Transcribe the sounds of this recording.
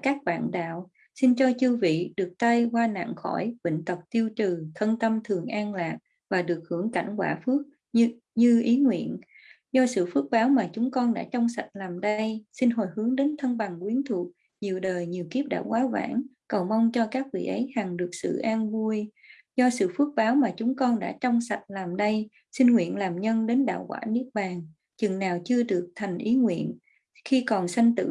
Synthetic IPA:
kaː˦˥k̚ɓa̰ː˧˨nɗa̰ː˧˨w | si˧nt͡ɕɔ˧t͡ɕɨ˧vḭ˧˨ɗɨ˨˩ək̚t̪a˧jkwaː˧na̰˧˨ŋxɔ˧˩jvḭ˧˨ŋ̟t̪ə˨˩k͡p̚t̪i˧əwt͡ɕɨ˨˩t̪ʰə˧nt̪ə˧mt̪ʰɨ˨˩əŋʔaː˧nlaː˨˩k̚ | vaː˨˩ɗɨ˨˩ək̚hɨ˧˩əŋka̰˧˩jŋ̟kwaː˧˩fɨ˦˥ək̚ | ɲɨ˧ʔi˨˦ŋwḭ˧˨ən | zɔ˧sɨ̰˧˨fɨ˦˥ək̚ɓaː˨˦wmaː˨˩t͡ɕʊ˨˦ŋ͡mkɔ˧nɗa̰ː˧˥t͡ɕɔ˧wŋ͡msa˨˩t̟̚laː˨˩mɗə˧jsi˧nɦo˨˩jhɨ˨˦əŋɗe˨˦nt̪ʰə˧nɓa˨˩ŋkwi˨˦ənt̪ʰu˨˩ət̚ | ɲi˨˩əwɗəː˨˩jɲi˨˩əwki˦˥əp̚ɗa̰ː˧˨wkwaː˨˦va̰ː˧˥nkə˨˩wma˧wŋ͡mt͡ɕɔ˧kaː˦˥k̚vḭ˧˨ʔə˨˦jha˨˩ŋɗɨ˨˩ək̚sɨ̰˧˨ʔaː˧nvu˧əj | zɔ˧sɨ̰˧˨fɨ˦˥ət̚ɓaː˨˦wmaː˨˩t͡ɕʊ˨˦ŋ͡mkɔ˧nɗa̰ː˧˥t͡ɕɔ˧wŋ͡msa˨˩t̚laː˨˩mɗə˧j | sï˧nŋwḭ˧˨ənlaː˨˩mɲə˧nɗe˨˦nɗa̰ː˧˨wkwa̰ː˧˥nɨ˦˥ək̚ɓaː˨˩ŋ | t͡ɕɨ˨˩ŋnaː˨˩wt͡ɕɨ˧əɗɨ˨˩ək̚t̪ʰa˨˩jŋ̟ʔi˨˦ŋwḭ˧˨ən | xi˧kɔ˨˩nsa˧jŋ̟t̪ɨ̰˧˨

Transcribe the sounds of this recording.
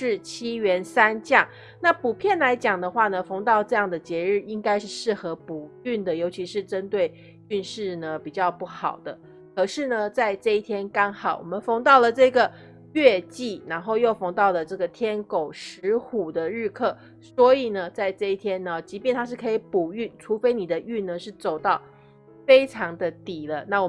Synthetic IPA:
ʂɻ̩˥˩t͡ɕʰi˥ɥɛ˧˥nsa˥nt͡ɕjɑ˥˩ŋ | na˥˩pu˨˩pʰjɛ˥˩nla˧˥ɪt͡ɕjɑ˨˩ŋd̪ə˦xwa˥˩nə˩fɤ˧˥ŋt̪ɑ˥˧ʊʈ͡ʂɤ˥˧jɑ˥˩ŋd̪ə˩t͡ɕjɛ˧˥ɻɻ̩˥˩i˥ŋka˥ɪʂɻ̩˥˧ʂɻ̩˥˩xɤ˧˥pu˨˩y˥˩nd̪ə˩jo˧˥ʊt͡ɕʰi˧˥ʂɻ̩˥˩ʈ͡ʂə˥nt̪we˥˩ɪ | y˥˧nʂɻ̩˥˩nə˩pi˨˩t͡ɕjɑ˥˧ʊpu˥˩xɑ˨˩ʊd̪ə˦ | kʰɤ˨˩ʂɻ̩˥˩nə˩t͡sa˥˧ɪʈ͡ʂɤ˥˧i˥˩t̪ʰjɛ˥nkɑ˥ŋxɑ˨˩˦ʊwʔɔ˨˩mə˦nfɤ˧˥ŋt̪ɑ˥˩ʊlə˩ʈ͡ʂɤ˥˩ɡə˩ | ɥɛ˥˧t͡ɕi˥˩ɻa˧˥nxo˥˧ʊjo˥˩ʊfɑ˧˥ŋt̪ɑ˥˩ʊlə˩ʈ͡ʂɤ˥˩ɡə˩t̪ʰjɛ˥nko˨˩ʊʂɻ̩˧˥xu˨˩d̪ə˦ɻɻ̩˥˧kʰɤ˥˩ | swɔ˧˥i˨˩nə˩t͡sa˥˧ɪʈ͡ʂɤ˥˧i˥˩t̪ʰjɛ˥nə˨t͡ɕi˧˥p̬jɛ˥˩nt̪ʰa˥ʂɻ̩˥˩kʰɤ˧˥i˧˦pu˨˩y˥˩nʈ͡ʂʰu˧˥fe˥ɪni˨˩d̪ə˦y˥˩nnə˨ʂɻ̩˥˩t͡so˨˩ʊt̪ɑ˥˩ʊ | fe˥ɪʈ͡ʂʰɑ˧˥ŋd̪ə˧t̪i˨˩lə˦na˥˩wɔ˨˩

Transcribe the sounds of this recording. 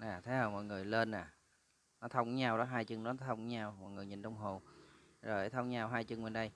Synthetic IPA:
ʔaː˨˩t̪ʰe˨˦ə˧˩mɔ̰˧˨jŋɨ˨˩əjle˧nʔaː˨˩ | nɔ˨˦t̪ʰə˧wŋ͡mɲaː˧wɗɔ˨˦ɦaː˧jt͡ɕɨ˧ŋnɔ˨˦t̪ʰə˧wŋ͡mɲaː˧wmɔ̰˨˩jŋɨ˨˩əjɲḭ˨˩nt͡ɕɔ˧wŋ͡mɦo˨˩n | zo˨˩˦t̪ʰə˧wŋ͡mɲaː˧wɦaː˧jt͡ɕɨ˧ŋɓe˧˩nɗə˧j

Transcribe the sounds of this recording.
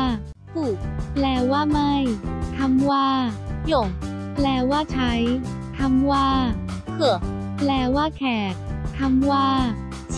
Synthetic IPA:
t̪ʰuː˨˩k̚lɛː˧˩waː˥˩ma˥˩jt̪ʰa˧˥mwaː˥˩jo˨˩ŋ | plɛː˧˩waː˥˩t͡ɕʰa˦˥jt̪ʰa˧mwaː˥˩kʰɯ˨˩ | plɛː˧˩waː˥˩kʰɛː˨˩t̪̚t̪ʰːa˧mwaː˥˩

